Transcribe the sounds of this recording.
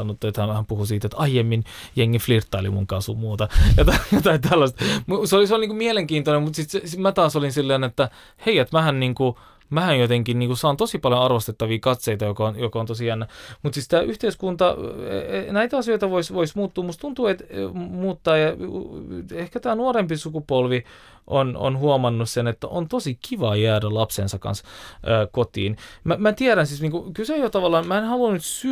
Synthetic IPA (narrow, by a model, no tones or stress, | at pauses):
nːot̪ːuet̪hæhæmpuhusiːt̪et̪ʔɑijemːin | jeŋːiflirt̪ːɑilḭmṵŋkɑsumuːt̪ɑjot̪ɑjot̪ɑit̪ælːɑst̪museoliseolniːkumieleŋkiːnt̪onemut̪sit̪sesmæt̪ɑːsolinsilːeːnet̪ːæ | heiæt̪mæhænniːŋku | mæhænjot̪eŋkinniːŋkusɑːnt̪osipɑljonɑrʋost̪et̪ːɑʋiːkɑt̪seit̪ɑjokonjokont̪osiænːæmut̪sit̪st̪æʔyht̪eiskunt̪ɑ | næit̪æɑsioit̪ɑʋoisʋoismuːt̪ːuːmust̪unt̪uːet̪muːt̪ːɑːjɑ | ehkæt̪æːnuoɾempisukupolʋi | ʔono̰nhuomɑnːussenet̪ːæ̰ʔo̰nt̪osikiʋɑjæːdælɑpsensɑkɑ̰nsʔəːkot̪ḭːnmæmæt̪iæɾænsiːsniːŋkukylseojot̪ɑʋɑlːɑːnmæenhɑlunnyt̪sy